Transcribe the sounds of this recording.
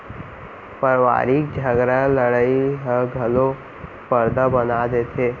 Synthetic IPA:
pəɾʋa̰ːɾik̚d͡ʒʱəɡɾaləɽəiɦəɡʱɐlo | pəɾd̪əbənad̪et̪ʰe

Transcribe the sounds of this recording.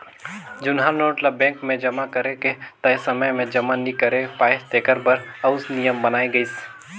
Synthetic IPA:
d͡ʒʊnɦanoːʈlabɛ̃ːŋkmẽd͡ʒɐmakɐɾeket̪ɐsɐməjmẽd͡ʒɐmanikɐɾepaːɪt̪eːkəɾbɐɾɐʊsnijəmbɐnaːiɡɐiːs

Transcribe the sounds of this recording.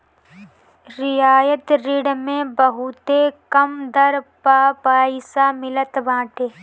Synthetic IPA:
ɾɪjaːjət̪ɾɪɽmẽbəɦut̪ekɐmd̪ɐɾpaːpaːisamɪlət̪ʋãːʈeː

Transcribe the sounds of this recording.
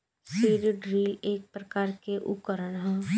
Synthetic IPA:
siːɾɖɾiːleːk̚pɾəkaːɾkeʔʊ̰kəɾəɽɦɛ̃ː

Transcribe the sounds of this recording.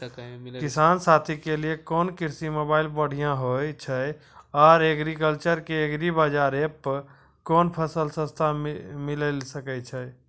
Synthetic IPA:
kisansat̪ʰikeliekoːnkiɾsimobailbəɽ̤ijãɦojt͡ʃʰəj | ɔːɾeɡɾikəlt͡ʃəɾkeeɡɾibad͡ʒaɾep | koːnpʰəsəlsə̃st̪ʰamiləlsəkɛt͡ʃʰə

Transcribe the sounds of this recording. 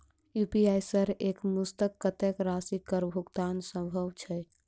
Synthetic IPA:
jupiajsəɾekmust̪əkːət̪ekɾasikəɾbʱukt̪ansə̃bʱəwt͡ʃʰɛ

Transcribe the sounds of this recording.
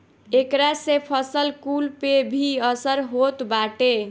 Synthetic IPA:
ekɾasepʰəsəlkulpebʱiəsəɾɦot̪baʈe

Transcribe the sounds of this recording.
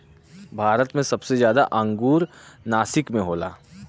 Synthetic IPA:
bʱaːɾət̪mẽsɐbsezjaːd̪aʔɐ̃ŋɡuːɾnaːsɪkmẽɦoːlaː

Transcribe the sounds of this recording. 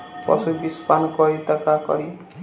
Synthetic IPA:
pʌ̰subispankɔit̪akakʌ̰ɾi

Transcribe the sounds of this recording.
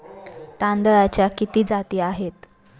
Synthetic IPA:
t̪and̪əɾat͡ɕjakit̪iːd͡zat̪iːaɦet̪

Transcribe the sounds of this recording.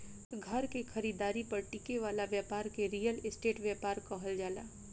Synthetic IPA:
ɡʱɐɾkexʰɐɾiːd̪aːɾipɐɾʈiːkeʋaːlaʋjaːpaːɾkeɾiːjəlɪsʈeːʈʋjaːpaːɾkɔɦəld͡ʒaːla̰ː

